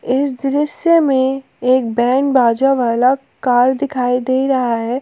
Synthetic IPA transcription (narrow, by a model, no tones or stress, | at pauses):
ɪsd̪ɾɪsjemẽ | eːk̚bɛ̃ːɳbaːd͡ʒaʋaːla | kaːɾd̪ɪkʰaːid̪eːiɾɐɦaɦɛː